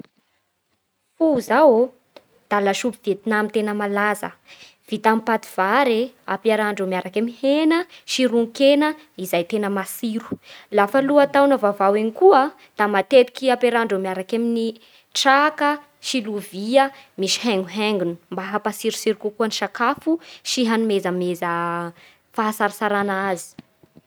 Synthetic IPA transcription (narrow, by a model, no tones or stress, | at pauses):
fuzaw | d̪̥alaʃupiv̥et̪inamint̪enəmalazə̰ | v̥it̪ampat̪i̥v̥aɾeapaɾaɳɖ͡ʐomiaɾakamihenəʃiɾuŋkenə | izajt̪enəmasiɾu̥lafaluat̪awnəvavawenikuə | d̪̥amat̪et̪i̥kiapeɾaɳɖ͡ʐomiaɾakamini | ʈ͡ʂakə | ʃiluviəmiʃi̥hɛŋɡuɦɛŋɡunu̥mbaɦapasiɾusiɾikukuəniʃakafuʃiɦanumezəmezə | faasaɾisaɾanazi̥